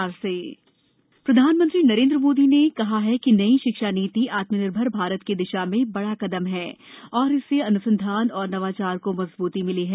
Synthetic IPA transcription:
aɾseː | pɾɐd̪ʱaːnmə̃nt̪ɾinɐɾẽːnd̪ɾəmoːd̪inekɐɦaɦɛkinɐiʃɪkʃaniːt̪iʔaːt̪mənɪɾbʱəɾbʱaːɾət̪ked̪ɪʃamẽbɐɽakɐd̪əmɦɛːɔːɾɪsːeɐnʊsə̃nd̪ʱaːnɔːɾnɐʋaːt͡ʃaːɾkomɐzbuːt̪imɪliɦɛ

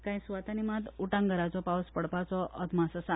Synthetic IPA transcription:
kãj̃sʋat̪animãt̪uʈãŋɡəɾat͡ʃɔpawspəɽpat͡ʃɔʔəd̪masasa

